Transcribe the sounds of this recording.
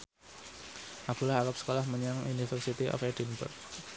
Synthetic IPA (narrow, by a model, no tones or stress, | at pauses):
ʔab̥ulahakap̚sə̥kolahməɲaŋunifərsit̪iʔɔ̰fɛdinbə̰rk̚